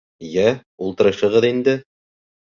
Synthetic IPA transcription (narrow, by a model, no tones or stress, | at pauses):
jæulˠt̪ɤ̆ɾɤ̆ʃɤ̆ʁɤðind̪ɘ